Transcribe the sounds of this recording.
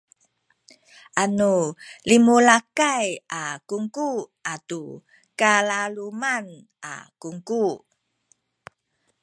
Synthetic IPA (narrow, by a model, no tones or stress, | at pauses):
ʔanulimulakajakuŋkuʔatu | kalaluman | ʔa̰kuŋku